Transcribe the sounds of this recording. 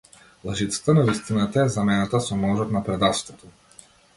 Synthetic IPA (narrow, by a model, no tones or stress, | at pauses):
lˠaʒit̪sḁt̪anavist̪inat̪aɛzamɛnat̪asɔmɔʒɔt̪napɾɛd̪at̪st̪vɔt̪ɔ